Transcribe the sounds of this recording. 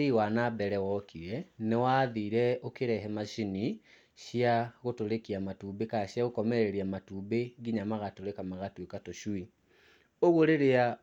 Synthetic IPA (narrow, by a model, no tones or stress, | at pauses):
iwanabɛɾɛwɔkʰiɛnewaðiːɾɛokeɾɛɦɛmaɕini | ɕiaɣotoɾekiamatubekaɕjaɣokɔmɛɾeɾiamatubeɡiɲamaɣatoɾekamaɣatwekatoʃui | oɣoɾeɾea